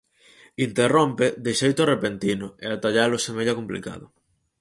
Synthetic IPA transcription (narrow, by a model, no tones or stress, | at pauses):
int̪eromped̪eʃejt̪ʊrepent̪inʊeat̪aʎalʊsemeʎakomplḭka̰ðʊ